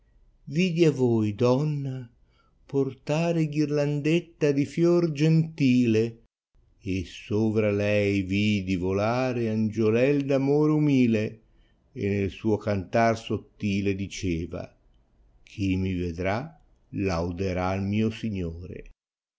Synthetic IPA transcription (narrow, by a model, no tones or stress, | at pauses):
vid̪iavojd̪ɔnːa | port̪aːɾeɡirland̪et̪ːad̪ifjɔrd͡ʒent̪iːle | esoːvɾalɛjvid̪ivolaːɾeand͡ʒolɛld̪amoːɾeumiːle | ḛnelsuːokant̪arsot̪ːiːled̪it͡ʃɛːva̰ | kʰimived̪ɾa | lawd̪eɾalmiːosiɲːoːɾḛ